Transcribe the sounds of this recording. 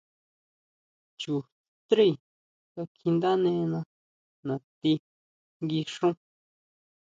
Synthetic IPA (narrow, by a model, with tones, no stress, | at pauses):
t͡ʃu˨ | t̪ɾi˦˨ | ka˧kʰi˧nd̪a˦nẽ˧˦˧nã˧ | nã˨t̪i˧ | ŋɡi˧ʂũ˦